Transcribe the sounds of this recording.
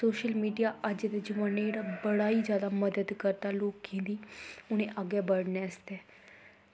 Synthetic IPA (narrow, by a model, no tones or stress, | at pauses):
soːʃəlmiːɖijaːʔəd͡ʒd̪eːd͡ʒəmãːnːeɽaːbəɽaːiːzjaːd̪aːməd̪əd̪kəɾt̪aːloːkkʰẽːd̪iːʊñẽːʔaɡɛːbəɽnɛːst̪eː